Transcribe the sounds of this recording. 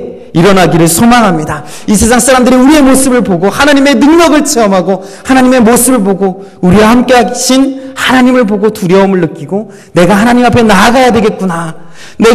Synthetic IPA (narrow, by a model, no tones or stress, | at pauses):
iɾʌnaɡiɾɯɭsʰomaŋɦamɲida | isʰe̞s̬ʰaŋs͈ʰaɾamdɯɾiuɾie̞mos͈ɯbɯɭpoɡohanaɲime̞nɯŋɡʌɡɯɭt͡ɕʰeʌmɦaɡo | hanaɲime̞mosʰɯbɯɭboɡo | uɾiwahamk͈e̞ɦaɕʰinhanaɲimɯɭpoɡotuɾjʌomɯɭːɯk͈iɡo | ne̞ɡahanaɲimapʰe̞naːɡajadwe̞ɡe̞t̚k͈una | ne